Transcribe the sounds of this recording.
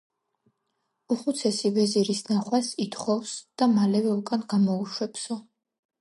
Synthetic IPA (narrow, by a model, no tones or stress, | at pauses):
uχut̪sʰɛsivɛziɾisnaχwasit̪ʰχɔfsd̪̥amalɛvɛukʼanɡamɔuʃwɛpsɔ